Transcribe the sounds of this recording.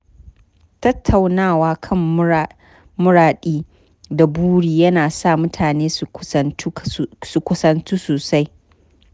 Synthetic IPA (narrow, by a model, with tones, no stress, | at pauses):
tɐ˦tʰːa˨wnaː˦˨waː˦kʰɐ˦˨m˦ | mʊ˦ɾaː˨ɗiː˦ | da˨buː˦ɽiː˨jɐ˦naː˨sa˦˨mʊ˦tʰaː˨neː˦s | su˨kʷʊ˦sɐ˦nt͡ʃu˦soː˨sa˦j